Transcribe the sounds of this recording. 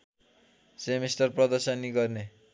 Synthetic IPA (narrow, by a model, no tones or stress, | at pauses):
semestʌrprʌd̪ʌrsʌnːiɡʌrne